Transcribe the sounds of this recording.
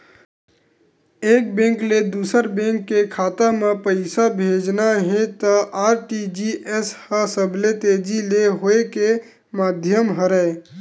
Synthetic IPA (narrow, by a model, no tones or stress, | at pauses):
eːk̚bẽŋkled̪uːsəɾbẽŋkːekʰaːt̪amãpəɪsabʱeːd͡ʒnaɦẽt̪əʔaːɾʈid͡ʒiʔeshəsəbʱlet̪ed͡ʒileɦoeke | maːd̪ʱjəmɦəɾəe